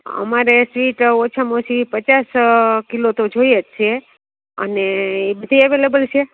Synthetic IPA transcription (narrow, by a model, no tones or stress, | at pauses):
ə̰maɾesʋiʈot͡ʃʰəmosipət͡ʃaskilot̪od͡ʒojet͡ʃʰe | ə̰neːbəd̪ʱiɛʋelebəlt͡ʃʰe